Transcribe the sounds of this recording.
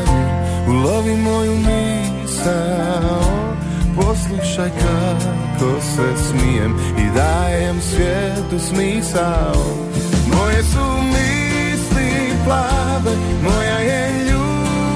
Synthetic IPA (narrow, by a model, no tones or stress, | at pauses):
uloʋimojumi | sa | l | poslˠuʃajkʰa | kʰosɛsmijɛm | ḭd̪ajɛmsʋjɛ | t̪usmisal | mojɛsumi | sliplabɛmojajɛ | ʎu